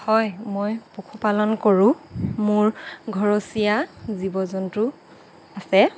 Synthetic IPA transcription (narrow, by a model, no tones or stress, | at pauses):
hɔjmojpukʰupalɔnkoɹʊ̃mʊɹɡʱɔɹosijazibɔzɔntʊ | asɛ